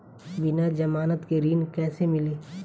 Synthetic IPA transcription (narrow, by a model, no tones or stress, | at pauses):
bɪnad͡ʒɐmaːnət̪keɾiːnkɛːsemɪleː